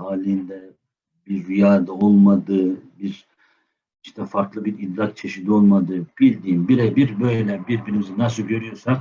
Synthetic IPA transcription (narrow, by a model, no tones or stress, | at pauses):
haːlʲind̪ɛ | biɾːijaːd̪ao̞lˠmad̪ɯːbiɾ | iʃt̪ʰɛfaɾklˠɯbiɾid̪lʲak̚t͡ʃʰe̞ʃid̪io̞lˠmad̪ɯːb̥ilʲd̪iːmbiɾɛbiɾbø̞jlʲɛlʲɛbiɾbiɾimizinasɯlˠɟø̞ɾyjo̞ɾsak